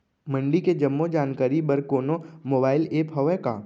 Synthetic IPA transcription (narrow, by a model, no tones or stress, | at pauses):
mɐ̃ɳɖiked͡ʒɐmːod͡ʒaːnkaːɾibɐɾkoːnomoːbaːɪleːpɦɐʋɛkaː